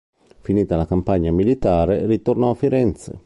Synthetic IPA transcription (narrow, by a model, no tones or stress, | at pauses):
finiːt̪alakampaɲːamilit̪aːɾerit̪ornɔafːiɾɛnt̪sḛ